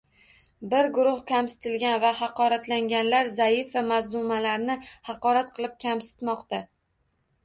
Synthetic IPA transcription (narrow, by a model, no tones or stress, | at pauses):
bɪɾɡʊɾʊhkʲʰamsɪ̥t̪ɪlɡʲanvahɑqɒɾat̪laŋɡʲanlaɾzaɪfamazlʊmalaɾnɪhɑqɒɾat̪̚qʰɨlˠɪp̚kʲʰamsɪ̥t̪mɒqt̪a